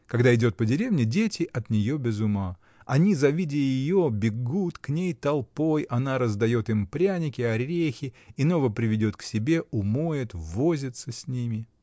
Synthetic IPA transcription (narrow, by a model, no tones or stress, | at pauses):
kɐɡd̪aɪdʲo̞t̪̚pədʲɪɾʲevnʲɪdʲetʲɪʔɐt̪nʲɪjo̞bʲɪzʊma | ɐnʲizɐvʲidʲɪjjɪjo̞bʲɪɡut̪knʲejt̪ɐlˠpo̞jɐnaɾəzd̪ɐjo̞t̪ɪmpɾʲænʲɪkʲɪɐɾʲexʲɪino̞vəpɾʲɪvʲɪdʲo̞t̪ksʲɪbʲe̞ʔʊmojɪt̪vo̞zʲɪt̪səsʲnʲimʲɪ